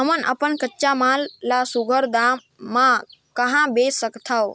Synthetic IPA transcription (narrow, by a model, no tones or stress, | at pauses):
ɦəmənʔə̰pənkətːʃamãlːasuɡʱəɾd̪amː | ãkəɦãbesəkt̪ʰao